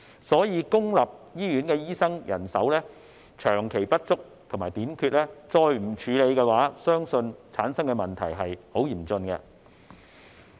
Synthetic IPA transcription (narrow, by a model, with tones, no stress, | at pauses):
sɔː˨˥jiː˨˧kʊ˥ŋlɐ˨p̚jiː˥jyː˨˥nkɛː˧jiː˥sɐ˥ŋjʔɐ̰˨˩nsɐ˨˥wlɛː˥ | t͡ʃʰœː˨˩ŋkʰe˨˩jpɐ˥t̚t͡sʊ˥k̚t̪ʰo˨˩ŋmaː˨˩jt̪iː˨˥nkʰyː˧t̚lɛː˥t͡sɔː˧jm̩˨˩t͡ʃʰyː˨˧le˨˧jkɛː˧waː˨˥sœː˥ŋsɵ˧nt͡sʰaː˨˥nsɐ˥ŋkɛ˧mɐ˨nt̪ʰɐ̰˨˩jɦɐ˨jho˨˥wjiː˨˩mt͡sɵ˧nkɛ̰˧